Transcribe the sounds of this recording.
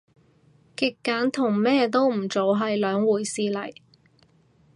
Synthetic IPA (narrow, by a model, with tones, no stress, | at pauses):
kɪ˨kːaː˨˥nt̪ʰʊ˨˩ŋmɛː˥t̪o˥wm̩˨˩t͡so˨˧wɦɐ˨jlœː˨˥ŋwuː˨˩jsiː˧lɐ˨˩j